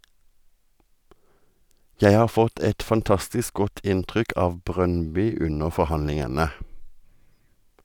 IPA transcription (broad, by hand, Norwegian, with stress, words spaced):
ˈjæɪ ˈhɑːʁ ˈfɔt ˈɛt fɑnˈtɑstɪsk ˈɡɔt ˈʔɪntʁʏk ˈʔɑːʋ ˈbʁœnˌbʏ ˈʉnəʁ ˌfɔʁˈhɑnlɪŋənə